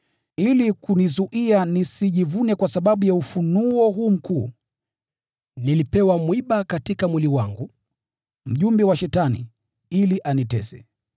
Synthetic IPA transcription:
ilikunizuʔianisiʄivunɛkwasaɓaɓujaufunuɔɦuːm̩kuː | nilipɛwamwiɓakatikamwiliwaŋɡu | m̩ʄumbɛwaʃɛtanḭ | iliʔanitɛsɛ

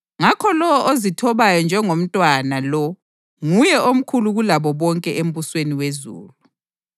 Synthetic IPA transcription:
ŋakʰɔlɔɔʔozitʰɔβajɔnd͡ʒʱɛŋom̩tʼwanalɔ | ŋujɛʔom̩kʰuluɣulaβɔβɔŋkʼɛʔem̩βusweniwezṵːlu

